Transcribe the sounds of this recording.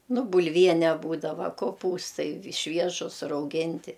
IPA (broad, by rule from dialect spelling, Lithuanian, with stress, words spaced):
nʊ bʊlʲˈʋʲiɛnʲɛ ˈbuːdɐʋɐ koːˈpuːstɐɪ ˈʃʲʋʲiɛʒʊs rɐʊˈɡʲɪnʲtʲɪ